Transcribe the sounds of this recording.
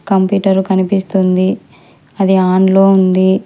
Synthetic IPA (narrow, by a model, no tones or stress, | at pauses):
kɐmpjuːʈɐɾukɐnipist̪und̪i | ɐd̪iaːɳlo̞ːund̪i